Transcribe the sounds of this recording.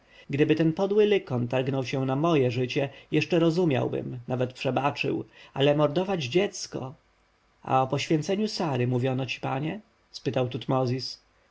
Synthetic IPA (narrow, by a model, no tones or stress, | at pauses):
ɡd̪ɘbɘt̪ɛnpɔd̪wɘlɘkɔnt̪aɾɡnɔwɕɛ̃namɔjɛʐɘt͡ɕɛjɛʂt͡ʂɛɾɔzumʲja̰wbɘ̰mnavɛt̪pʂɛbat͡ʂɘ̰walɛmɔɾd̪ɔvad͡ʑd͡ʑɛt̪skɔ̰ | a̰ɔpɔɕfʲjɛ̃nt̪sɛɲusaɾɘmuvʲjɔnɔt͡ɕi̥paɲɛ | spɘt̪awt̪ut̪mɔzʲis